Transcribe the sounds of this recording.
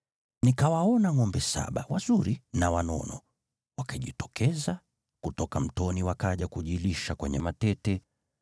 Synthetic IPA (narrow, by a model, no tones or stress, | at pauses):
nikawaɔnaŋɔmbɛsa̰ɓawazuɾinawanɔ̰nɔ | wakaʄitɔ̥kʰɛza | kutɔkam̩tɔniwakaʄakuʄiliʃakwɛɲɛmatɛtɛ